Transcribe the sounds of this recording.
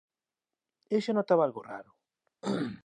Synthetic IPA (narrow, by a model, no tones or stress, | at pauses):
eʃanot̪aβalɣora̰ɾʊ